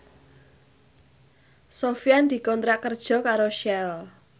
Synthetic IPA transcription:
sofiand̪̥i̤kɔnt̪ɾakərd̥ʒ̥ɔ̤kaɾoʃɛl

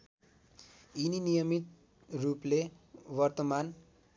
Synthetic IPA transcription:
ininijʌmit̪̚ | ruplewʌrt̪ʌman

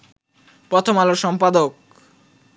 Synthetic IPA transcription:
pɾɔt̪ʰomaloʃɔmpad̪ok̚

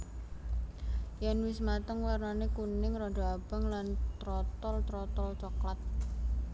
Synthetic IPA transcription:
jɛnwɪsmat̪əŋwarnanekunɪŋrɔɖɔab̥a̤ŋlant̪ɾɔt̪ɔlt̪ɾɔt̪ɔlt͡ʃɔkɔt̪̚

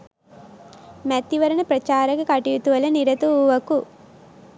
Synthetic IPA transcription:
mɐt̪ːiʋɐɾɐnɐpɾɐt͡ʃaːɾɐkukɐʈijut̪uʋɐlɐniɾɐt̪uʋɐku

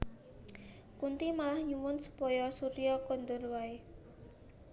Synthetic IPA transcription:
kunt̪imalahɲuwʊnsu̥pɔjɔsuɾiɔkɔnd̪ʊrwae

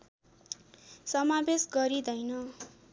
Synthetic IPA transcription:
sʌmabesɡʌɾid̪ʌjnʌ

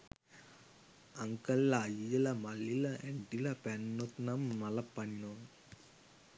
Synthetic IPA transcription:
ɐŋkɐlːajijɐlɐmɐlːilɐʔeɳʈilɐpɛnːot̪nɐmːɐlɐpːɐɳːo

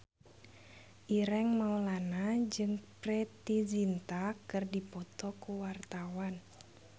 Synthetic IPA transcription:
ʔiɾɛŋmaulanad͡ʒɨŋprɛt̪izint̪akɨrdipɔt̪ɔkuwart̪awan

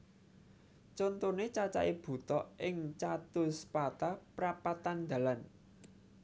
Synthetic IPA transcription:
t͡ʃont̪onet͡ʃat͡ʃa̰ʔeb̥ṳt̪ɔʔʔɪŋt͡ʃat̪ʊspat̪apɾapat̪and̪̥ä̤lan

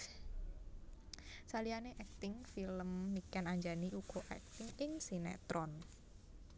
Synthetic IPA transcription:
salianeʔɛk̚t̪ɪŋfiləmːikanaɲd͡ʒaniʔuɡ̥ɔʔɛ̰k̚t̪ɪŋɪŋsinɛ̰t̪ɾɔn

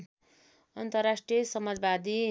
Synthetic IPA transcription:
ʌnt̪ʌrasʈrijʌsʌmad͡zbad̪i

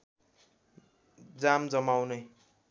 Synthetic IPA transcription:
d͡zamd͡zʌmawnʌj

